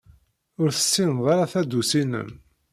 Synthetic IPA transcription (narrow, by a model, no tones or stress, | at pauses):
ʊɾθə̥sːinðˤaɾaθæd̪usinə̰n